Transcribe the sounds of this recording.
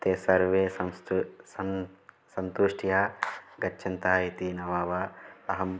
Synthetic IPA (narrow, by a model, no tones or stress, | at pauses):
t̪eːsɐɾʋeːsɐms | sɐnt̪uʂʈʰjaːɡɐːt͡ʃʰɐnt̪aːit̪inɐʋaːʋaːɐɦɐm